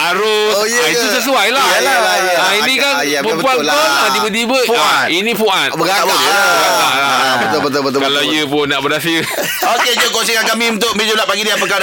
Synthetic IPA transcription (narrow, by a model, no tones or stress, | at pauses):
aɾo | sjit̪usəs̬uajlaaa | ainĩkan | pəpuan | nãt̪̬ibəd̪ibəʔainĩpuʔat̪əɡaəɡalaʔlabət̪bət̪obət̪okalawjəpʊnːaʔbədas̬iə | oked͡ʒəkonsikankamĩunt̪ʊk̚mid͡ʒəblaʔpaɡidiapəkaɾ